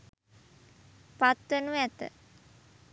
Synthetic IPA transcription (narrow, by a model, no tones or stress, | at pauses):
pat̪ʋenuʋɛt̪ə̰